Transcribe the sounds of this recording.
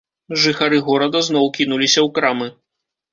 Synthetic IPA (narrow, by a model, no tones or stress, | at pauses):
ʐɨxaɾɨɣɔɾɐd̪ɐzn̪ɔwkʲinulʲisʲɐwkɾamɨ